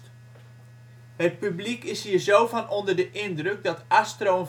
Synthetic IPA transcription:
hət̚pyblikɪshiːrzowfɔnondərdəʔɪndrøk̚dɔtastroːn

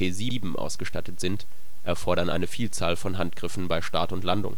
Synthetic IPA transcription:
eːziːbm̩ʔa̰ʊsɡ̥əʃtatətz̥ɪnt | ʔɛɐfɔɐɾɐnʔa̰ɪnəfiːlt͡saːlfɔnɦantɡ̥ʁɪfn̩baɪʃtaːtʊntlandʊ̰ŋ

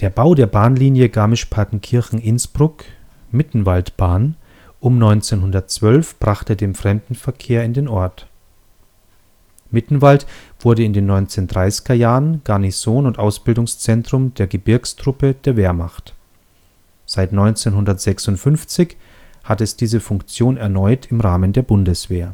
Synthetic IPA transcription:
d̥eːɐbaʊdeːɐbaːnliːnjəɡaːmɪʃpʰaɐtn̩kʰɪɐçŋ̩ʔɪnsb̥ʁʊk | mɪtn̩valtb̥aːn | ʔʊmnɔʏnt͡seːnɦʊndɐtt͡sv̥œlfb̥ʁaχtədeːmfʁ̥ɛmdn̩fɛɐkʰeːɐɪndeːnʔɔɐt | mɪtn̩valtv̥ʊɐɾəɪndeːnːɔʏnt͡seːndʁaɪsɪ̥ɡɐjaːʁənɡ̥aɐnisoːnʊntʔaʊsb̥ɪldʊŋst͡sɛntʁ̥ʊmdeːɐɡəbɪɐkstʁ̥ʊpəd̥eːɐveːɐmaχt | z̥aɪtnɔʏnt͡seːnɦʊndɐtz̥ɛksʊntfʏnft͡sɪç | hatɛsd̥iːzəfʊŋkt͡sjoːnɛɐnɔʏtʰɪmʁaːməndeːɐbʊndəsv̥eːɐ

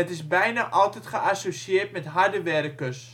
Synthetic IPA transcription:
ətɪsbɛjnaʔɔlˠtɛtχəʔasosiɪːrtmɛtɦardəʋɛɾəkəs

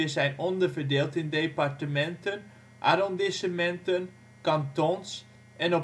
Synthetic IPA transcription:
əzɛjnɔndərvərdeːlˠtɪndeːpartəmɛntən | ʔa̰ɾɔndɪsəmɛntən | kɑntons | ʔɛnɔ

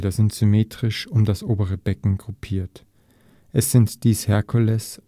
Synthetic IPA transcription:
dɐzɪntz̥ʏmeːtʁ̥ɪʃʊmdasʔoːbəʁ̞əb̥ɛkŋ̩ɡʁʊpʰiːɐt | ʔɛsz̥ɪntd̥iːshɛɐkʰʊlɛs

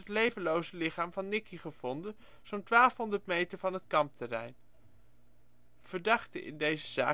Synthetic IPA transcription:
ɦətlejvənlowzəlɪχaːmvɑnːɪkiχəv̥ɔndən | z̥owntʋaːlˠfɦɔndəɹtmejtəɹvɑnɦətkɑmp̚tərɛ̰jn | v̥əɹdɑχtəʔɪ̰ndejzəz̥a̰ː

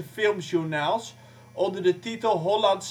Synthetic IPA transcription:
əfɪlˠmʃunaːlˠs | ɔndərdətitəlˠɦolɑnts

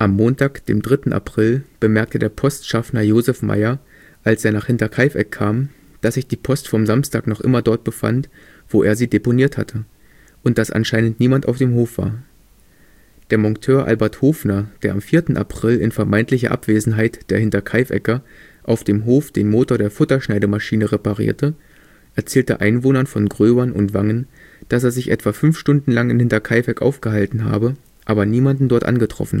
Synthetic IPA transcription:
ʔamːoːntʰaːkd̥ḛːmdʁɪtn̩ʔa̰pʁ̥ɪlb̥əmɛɐk̚tədeːɐpʰɔstʃafnɐjoːzɛfmʔa̰ɪɐ | ʔalsʔeːɐnaːχhɪntɐkʰaɪfʔɛ̰kʰːaːm | d̥asz̥ɪçd̥iːpʰɔstfɔmzamstaːknɔχʔɪ̰mɐdɔɐt̚b̥əfa̰nt | v̥oːʔeːɐziːdeponiːɐtha̰tʰə | ʔʊntd̥asʔa̰nʃaɪnəntniːmantaʊfd̥eːmɦoːfv̥a̰ːɐ | d̥eːɐmɔŋtʰøːɐʔa̰lbɛɐthoːfnɐd̥eːɐʔamfiːɐtn̩ʔa̰pʁ̥ɪlɪ̰nfɛɐmaɪntlɪçɐ̰ʔa̰pv̥eːzn̩ɦaɪtd̥eːɐhɪntɐkʰaɪfʔɛ̰kɐ | ʔaʊfd̥eːmɦoːfd̥eːnmoːtoːɐɾeːɐfʊtɐʃnaɪɾəmaʃiːnəʁepaʁḭːɐtʰə | ʔɛɐt͡sɛːltə̰ʔa̰ɪnvoːnɐnfɔnɡʁøːbɐnʔʊ̰ntv̥aŋən | d̥as̬eːɐzɪçʔɛ̰tv̥aːfʏnfʃtʊndn̩laŋɪnhɪntɐkʰaɪfɛkʔa̰ʊfɡ̥əɦaltn̩ɦa̰ːbə | ʔaːbɐniːmandn̩dɔɐtʔa̰nɡətʁ̥ɔ̰fn̩

